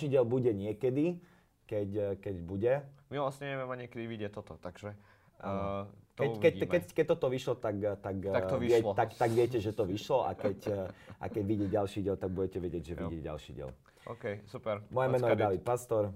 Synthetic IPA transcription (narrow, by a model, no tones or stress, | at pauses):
ʃiːɟɪɛlbuɟɛɲɪɛkɛd̪i | kɛckɛɟbuɟɛmiʋlasɲɛɲɛʋɛmɛɲɪɛkɛd̪iʋiɟɛt̪ɔt̪ɔt̪aɡʒɛ | t̪ɛkɛmkɛkɛc̚t̪ɔt̪ɔʋiʃlɔt̪akt̪ak̪aʋiɪɛt̪at̪aɡʋɪɛcɛʒɛt̪ɔʋiʃlɔʔa̰kɛcʔa̰kɛɟʋiɟɛɟalʃiːɟɪɛlt̪aɡ̚buɟɛcɛʋɛɟɪɛɟʒɛʋḭɟɪɛɟa̰lʃḭɟɪɛ̰l | ɔkɛjsupɛɾmɔjɛmɛnɔjɛd̪aʋit̪̚past̪ɔɾ